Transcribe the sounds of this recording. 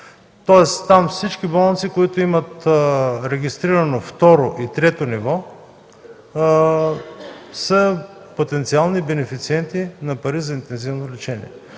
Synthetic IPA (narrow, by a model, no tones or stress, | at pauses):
t̪ɔɛst̪amfsit͡ʃkibɔlˠnt̪sikoit̪oimɐt̪ɾɛɡist̪ɾiɾɐnoft̪ɔɾoʔit̪ɾɛt̪onivɔ | sə | pot̪ɛnt̪sialˠnibɛnɛfit̪siɛnt̪inɐpɐɾizɐint̪ɛnzivnolɛt͡ʃɛnḭɛ